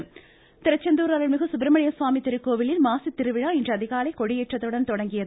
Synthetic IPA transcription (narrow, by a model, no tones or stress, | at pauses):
t̪ɪɾɐt͡ʃːɐnd̪uːɾaːɾɐɭmɪɣɯsʊbɪɾɐmɐɳɪjɐsʋaːmit̪ɪɾɯkːoːʋɪlɪnmaːsit̪ːɪɾɯʋɪɻaːɪndrɐɐðɪɣaːlɐɪkɔɻɪjɛːʈrɐt̪ːɯɽɐnt̪ɔɽɐŋɡɪjɐð